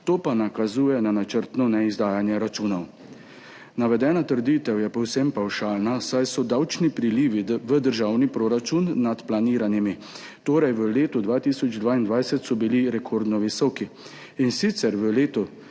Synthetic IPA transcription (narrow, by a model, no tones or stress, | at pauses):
t̪oːpanakazuːjɛnanat͡ʃəɾt̪nɔnɛizd̪aːjanjɛɾat͡ʃuːnɔw | naʋɛd̪ɛːnat̪əɾd̪it̪ɛwjɛpɔwsɛmpawʃaːlnasajsɔd̪awt͡ʃnipɾiliːʋiʋəd̪əɾʒaːwnipɾoːɾat͡ʃunːat̪planiːɾanjimi | t̪oːɾɛjʋəleːt̪ud̪ʋaːt̪iːsɔd͡ʒd̪ʋaːind̪ʋajsɛt̪sɔbiliɾɛkʰɔɾd̪nɔʋisɔki | insit̪sɛɾʋəleːt̪ɔ